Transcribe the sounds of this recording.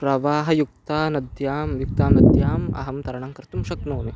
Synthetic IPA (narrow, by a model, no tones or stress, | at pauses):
pɾɐʋaːɦɐ̆juk̚t̪aːnɐd̪jaːmjuk̚t̪aːmnɐd̪jaːmɐ̰ɦɐmt̪ɐɾɐɳɐŋkɐɾt̪umʃɐknoːni